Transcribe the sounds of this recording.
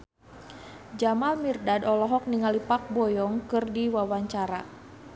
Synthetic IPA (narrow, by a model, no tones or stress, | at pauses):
d͡ʒamalmirdadɔlɔɦɔk̚niŋalipak̚bɔjɔŋkɨrdiwawaɲt͡ʃaɾa